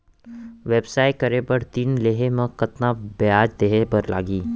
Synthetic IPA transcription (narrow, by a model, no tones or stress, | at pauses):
ʋeːbsaːɪkɐɾebəɽt̪iːnleːɦemɐ̃kɐt̪nabeaːd͡ʒd̪eːɦebɐɾla̰ːɡiː